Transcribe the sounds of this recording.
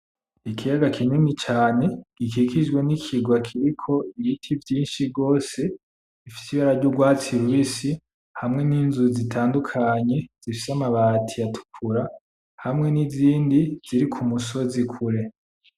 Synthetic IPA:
ikʰijaɡakʰinimit͡ʃaːne̞ɡ̥ikikid͡ʒɡwe̞nikʰiɡwakʰiɾikʰo̞ijitʰivjiːnʃiɾɡo̞ːse̞̥ | ifi̥siβaɾaɾɟuɡwaːt͡siɾuisi | hamŋe̞niːnzuzitʰaːndukʰaɲe̞z̥ifi̥samaβatʰijatʰu̥kʰuɾa | hamŋe̞niziːndiz̥iɾikʰumuso̞zikʰuɾe̞

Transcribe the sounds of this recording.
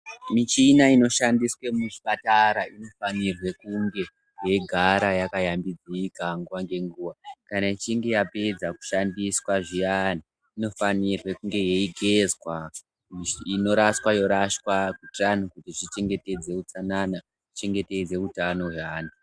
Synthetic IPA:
mit͡ʃinaino̞ʃandiswe̞muʐipataɾaino̞fanirwe̞kuŋɡe̞ | je̞ɡʱaɾajakajambid͡zikaŋɡuwaŋɡe̞ŋɡuːʋakanait͡ʃiŋɡe̞jape̞d͡zaku̥ʃandiswaʐijana | ino̞fanirwekuŋɡe̞je̞iɡʱe̞zwa | iino̞ɾaswajo̞ɾaʃwakutanukutiʐit͡ʃe̞ŋɡe̞te̞d͡ze̞ut͡sanana | ʐi̥t͡ʃe̞ŋɡe̞te̞d͡ze̞utano̞ɦaːni

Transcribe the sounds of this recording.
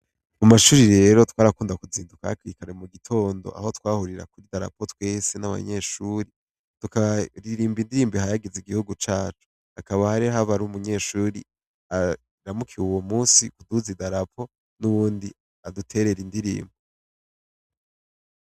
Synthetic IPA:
mumaʃuːɾiɾe̞ːɾo̞twaːɾakuːndakuziːnduka̰hakwikaɾemuɡitʰo̞ːndo̞̰ʔa̰ho̞twaːhuɾiɾa̰kuɾidaɾa̰pʰo̞twe̞ːse̞naβa̰ɲe̞ʃuːɾi | tukaβaɾiɾiːmbindiɾiːmbihajaɡeziɡihuɡut͡ʃaːt͡ʃu̥ | akaβahaɾiɦaβaɾumuɲe̞ːʃuːɾḭ | a | ɾamukʰiuwomuːsikuduzidaɾapʰo̞ | nuβuːndi | adutʰe̞ːɾe̞ɾindiɾḭːmbi

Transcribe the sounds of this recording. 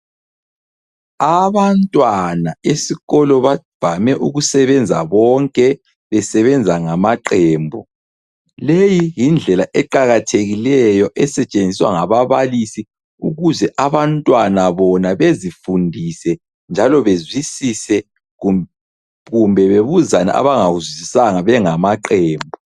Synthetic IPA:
aβantʼwanaesiɣɔlɔβav̥ʱamɛʔuɣusɛβɛnd͡zʱa̰βɔŋkʼɛ | βɛsɛβɛnd͡zʱaŋamaǃɛːmbʱɔ | lejijind͡ɮʱɛlaʔɛǃaɣatʰeɣilɛjɔʔɛsɛt͡ʃʼend͡zʱiswa̰ŋaβaβalisi | uɣuzɛʔaβantʼwanaβɔnaβezifundʱisɛ | nd͡ʒʱalɔβezwisisɛ | ɣumbʱɛβeβuzana̰ʔa̰βaŋaɣuzwizisaŋaβɛŋamaǃɛːmbʱɔ

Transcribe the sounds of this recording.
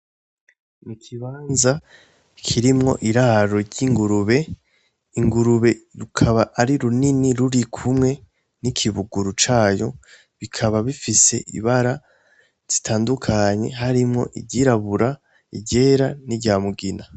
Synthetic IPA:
mukʰiβaːnza | kʰiɾimŋo̞̰ʔiɾaɾo̞ɾɟiŋɡuɾuβe̞ | iŋɡuɾuβe̞ɾukʰaβaʔːɾiɾuniniɾuɾikʰumŋe̞ | nikʰiβuɡuɾut͡ʃaːjo̞ | βikʰaβaβifise̞̰ʔḭβaɾa | z̥i̥tʰaːndukʰaɲe̞̰ɦaɾimŋo̞̰ʔḭɟiɾaβuɾa | ḭɟe̞ːɾaniɟaːmuɡina

